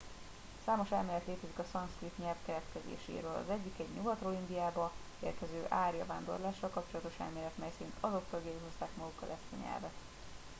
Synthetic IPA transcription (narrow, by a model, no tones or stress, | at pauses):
saːmo̞ʃɛlmeːlɛt̪leːt̪ɛzikɒsɒnskrit̪ɲɛlfkɛɾɛt̪kɛzḛːʃḛːɾøːlɒ̰zɛɟːikɛɟɲuɡɒt̪roːind̪ijaːbɒ | ḛːrkɛzøːʔaːrjɒvaːnd̪o̞̰rlaːʃːɒlkɒp̚t͡ʃolɒt̪o̞ʃɛ̰lmeːɾɛt̪mɛjsɛɾint̪ɒzo̞kt̪ølɡɛiɦo̞st̪aːkmɒɡukːɒ̰lɛst̪ḛɲɛ̰lvɛt̪